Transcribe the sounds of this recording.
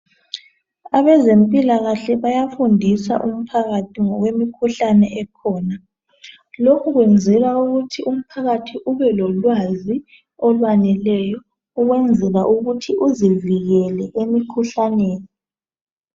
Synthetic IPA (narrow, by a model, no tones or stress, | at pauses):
aβɛzempʼilaɣaɬɛβajafundʱisa̰ʔum̩pʰaɣatʰiŋɔɣwemikʰuɬanɛʔɛkʰɔːna | lokʰuɣwɛnd͡zʱɛɣauɣutʰiʔum̩pʰaɣatʰiʔuβɛlɔlwazi | ɔlwanɛlɛjɔ | uɣwɛnd͡zʱɛɣaʔuɣutʰiʔuziviɣɛlɛʔemikʰuɬaneːni